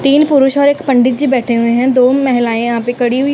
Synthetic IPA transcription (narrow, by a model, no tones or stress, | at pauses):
t̪iːnpʊɾʊʃɔːɾekpəɳɖɪt̪̚d͡ʒiːbɛːʈʰeɦʊẽɦɛ̃ːd̪oːmɛɦɪlaːẽːãːpẽːkəɽiːɦʊiː